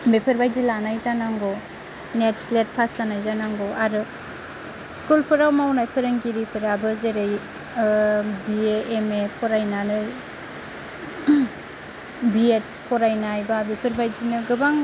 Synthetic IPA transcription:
bepʰeɾbajdilanajzanaŋɡɔ | net̚slet̚pʰasanajzanaŋɡɔʔaɾɯ | skulpʰɯɾawmawnajpʰɯɾɯŋɡiɾipʰɯɾabɯzeɾej | bieemepʰɔɾajnanɯ | biet̚ | pʰɔɾajnajbabepʰɯɾbajdinɯɡɯbaŋ

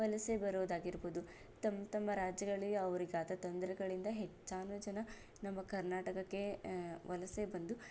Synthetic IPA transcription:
ʋɐlɐsebɐɾuʋd̪aːɡiɾbud̪u | t̪ɐmːt̪ɐmːɐɾaːd͡ʒjɐɡɐɭiɐʋɐɾiɡaːt̪ɐt̪ond̪ɐɾɛɡɐɭind̪ɐɦet͡ʃːaːnuːd͡ʒɐnɐ | nɐmːɐkɐɾnaːʈɐkɐkːe̞ʋɐlɐse̞bɐnd̪u

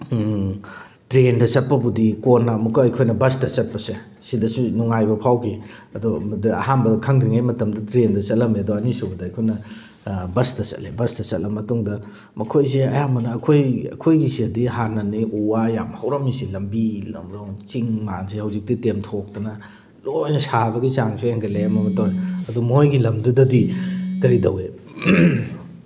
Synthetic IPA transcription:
tɾendɐsɐt̚pɐbudikonːɐmukɐɐjkʰojnɐbɐstɐt͡ʃɐt̚pɐse | sidɐsunuŋajbɐpʰawkʰiɐdodiɐ̰hanbɐkʰɐŋdɾiŋajmɐtɐmdɐtɾendɐt͡ʃɐtlːɐmeɐdoɐnisubɐdɐɐjkʰojnɐ | bɐstɐt͡ʃɐ̰lebɐstɐt͡ʃɐlɐmɐtuŋdɐ | mɐkʰojseɐjamɐnɐːkʰojɐ̰kʰojɡisiɐdihanɐniʔuwajamhɐwɾɐmisilɐmbilɐ̰mɾoŋt͡ʃiŋmazihɐwzik̚titemtʰok̚tɐnɐ | lojnɐsabɐɡit͡ʃaŋsʰueŋɡɐlejɐmɐmɐtawɐdumojɡilɐmdudɐdikɐɾidɐwe

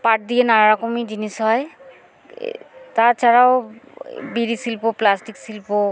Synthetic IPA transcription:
paʈ̚d̪ijenaɹaɹakomid͡ʑinisɦɔj | t̪aɹt͡ʃʰaɹao | biɹisilpoplasʈiksilpo

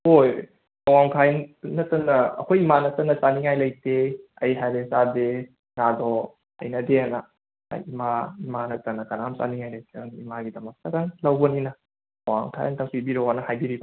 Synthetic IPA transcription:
hoj | awaŋtʰajnɐtːɐnːɐɐ̰kʰojimanɐtɐnːɐt͡ʃaniŋajlɐjteɐjɦajlesade | ŋadɔ | ɐ̰jnɐdeanɐ̰ | imaimanɐtɐnɐkɐnamt͡ʃa̰niŋajlɐjkanimaɡidɐmɐk̚tɐɾaŋlɐwbɐninɐ | awa̰ŋtʰa̰ja̰ntʰɐŋsʰibiɾawanɐhajbiɾiba

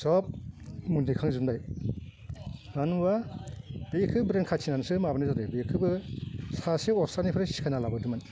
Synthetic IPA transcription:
sɔp̚mundikʰaŋzumdaj | anba | b̥ekʰɯbɾenkʰat͡ʃʰinansɯmabanizadɯbekʰɯbɯsaseɔsanipʰɯɾesi̥kʰajnalabɯdɯman

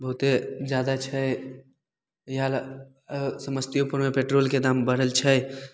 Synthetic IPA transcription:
bəɦʊt̪ed͡ʒjaːd̪at͡ʃʰə | jɦal | səməst̪ijopuɾmepeʈɾoːlked̪aːmbəɽ̤əlt͡ʃʰə

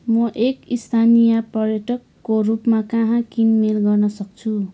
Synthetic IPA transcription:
mʌʔekist̪ʰanijaprʌrjʌʈʌkːorupmakaɦãkinmelɡʌrnʌsʌk̚t͡sʰu

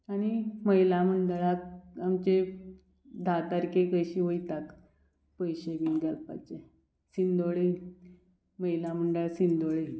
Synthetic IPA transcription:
aɽ̃iməjlam̤əɳɖəɭak̚amt͡ɕe | d̪ʱat̪aɾkekəjɕiːʋojt̪ak | pəjɕeɡinɡ̪alpa̰t͡ɕe | sind̪oɭe | məjlam̤əɳɖəɭsind̪oɭe

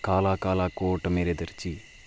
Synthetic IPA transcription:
kaːlaːkaːlaːkoːʈːɐmeːɾed̪ɐɾt͡ʃi

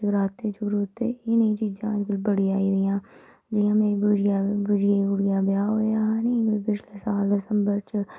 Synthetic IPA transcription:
ɡɾaːt̪eːt͡ʃʊɾut̪ḛːnəĩːt͡ʃiːd͡ʒãːd͡ʒkɪlbəɽiaːiːd̪ijãː | d͡ʒijãːmẽːbʊɾjabʊd͡ʒɪjebʊɽijaːbjaːɦoːjaːɦaːnĩːkoipɪt͡ʃʰleːsaːld̪ɪsəmbəɾt͡ʃ

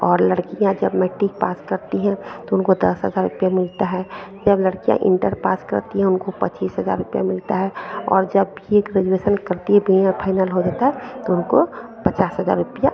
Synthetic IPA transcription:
ɔːɾləɽkijãd͡ʒəbmɛːʈik̚paːskəɾt̪iɦɛ̃t̪oʊnkod̪ɐ̰sɦəzaːɾːʊpijamɪlt̪aɦɛd͡ʒəbləɽkijã̰ʔɪ̰̃ɳʈəɾpaːskə̰ɾt̪iɦɛ̃ʊnkopə̰t͡ʃiːsɦəza̰ːɾːʊpija̰mɪlt̪aɦɛɔ̰ːɾd͡ʒɐbiekɾed͡ʒweːsənkəɾt̪iɦɛbʱiapʰaːɪnəlɦod̪eːt̪aɦɛt̪oʊnko | pət͡ʃaːsɦəza̰ːɾːʊpija

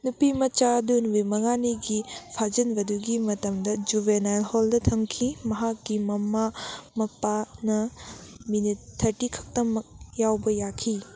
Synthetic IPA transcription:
nupimɐt͡ʃadunwemɐŋaniɡipʰad͡ʒɐnbɐduɡimɐtɐmdɐd͡ʒubenajlholdɐtʰɐŋkʰimɐɦak̚ɡimɐmːamɐpːanɐminittʰːɐʈikʰɐ̥k̚tɐmɐk̚jawbɐjakʰi

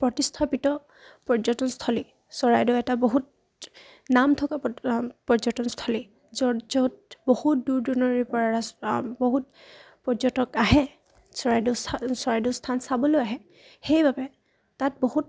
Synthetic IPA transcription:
pɹɔtistʰapitɔ | pɔɹzɔtɔnstʰɔli | sɔɹajdɔɛtaboɦut̚ | namtʰɔkapɔzɔtɔnstʰɔli | zɔd͡ʒɔt̚bohutduɹdɔnɔɹipɔɹaɹasboɦut̚ | pɔɹzɔtɔkaɦɛ | sɔɹajdɔssɔɹajdɔstʰansabɔlojaɦɛ | xejbabɛ | tat̚bohut̚

